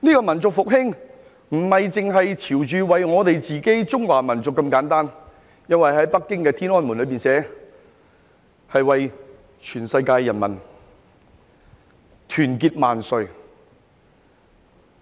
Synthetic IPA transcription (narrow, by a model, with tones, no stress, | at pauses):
niː˥kɔː˧mɐ˨˩nt͡sʊ˨k̚fʊ˨k̚ɦɪ˥ŋ | m̩˨˩hɐ˨jt͡sɪ˨ŋɦɐ˨jt͡sʰiː˨˩wt͡ʃyː˨wɐ˨jŋɔː˨˧t̪e˨jt͡siː˨ke˥jt͡sʊ˥ŋwaː˨˩mɐ˨˩nt͡sʊ˨kːɐ˧mkaː˨˥nt̪aː˥n | jɐ˥nwɐ˨jɦɐ˨˥jpɐ˥kːɪ˥ŋkɛː˧t̪ʰiː˥nɔː˥nmu˨˩nlɵ˨˧ɥpiː˨nsɛː˨˥ | hɐ˨jwɐ˨j | t͡ʃʰyː˨˩nsɐ˧jkaː˧jːɐ˨˩nmɐ̰˨˩n | t̪ʰyː˨˩nkiː˧t̚maː˨nsɵ˨˧ɥ